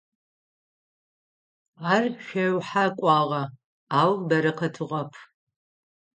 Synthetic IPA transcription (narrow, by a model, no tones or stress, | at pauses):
aːrʃʷɐwħakʷʼɑːʁɐ | aːwbɐɾɨqʰɐtʰɨʁɐpʰ